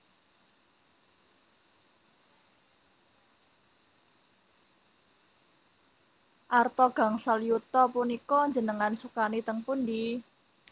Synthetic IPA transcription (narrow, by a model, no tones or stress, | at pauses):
ʔart̪ɔɡ̥a̤ŋsaljut̪ɔpunikɔnɲd͡ʒə̤nəŋansukanit̪əŋpund̪i